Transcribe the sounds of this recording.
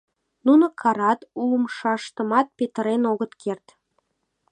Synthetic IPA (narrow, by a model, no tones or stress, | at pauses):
nunokʰɑɾɑt̪uləmʃɑʃt̪ə̆mɑt̪̚pet̪əɾenoɣət̪kʰert̪